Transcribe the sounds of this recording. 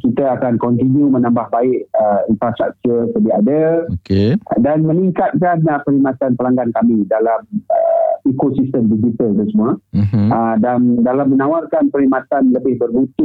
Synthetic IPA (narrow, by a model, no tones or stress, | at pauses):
kit̪aakankɔnt̪injũmə̃nãmbahbaɪʔəinfɾast̪ɾa̰k̚t͡ʃursədiadaokedanmə̃niŋkat̪̚kanəpəɾimãt̪anpəlaŋɡankamĩdalaməikosist̪əmdid͡ʒit̪əlt̪əsəmũaədandalamːə̃nawarkanpəɾimãt̪anləbɪhbərbut̪ʊʔ